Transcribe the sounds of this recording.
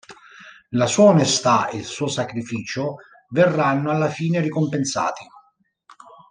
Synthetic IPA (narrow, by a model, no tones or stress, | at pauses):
lasuːaonest̪aḛlsuːosakɾifiːt͡ʃʊ | vɛrːanːʊalːafiːnerikompensa̰ːt̪i